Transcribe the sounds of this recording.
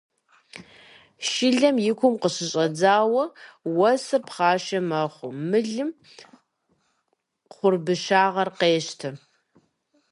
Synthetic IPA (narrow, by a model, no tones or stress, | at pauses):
ʃɪɮɐmjɪkʷʰʊmqəɕɪɕʼɐd͡zaːwɐwɐsɨrpχɑːʃɐmɐχʷʊmɨɮɨm | χʷʊrbɨʃaːʁɐrqeːɕtʰɐ